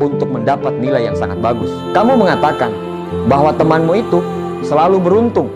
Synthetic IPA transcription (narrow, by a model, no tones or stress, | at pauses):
unt̪ʊk̚məndapat̪̚nilajːaŋsa̰ŋat̪̚baɡʊs | kamuməŋat̪akan | baɦwat̪əmanmuit̪u | səlalubəɾunt̪ʊŋ